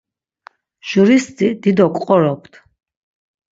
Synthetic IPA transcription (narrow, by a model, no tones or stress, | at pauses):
ʒ̥uɾist̪ʼid̪id̪ɔkʼqʼɔɾɔp̚ʰt̪ʰ